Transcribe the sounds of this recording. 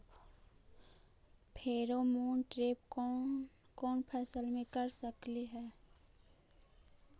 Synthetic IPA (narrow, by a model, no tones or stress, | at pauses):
pʰeːɾomoːnʈɾeːpː | kɔːnpʰɛːsəlmẽkəɾsəkliɦɛː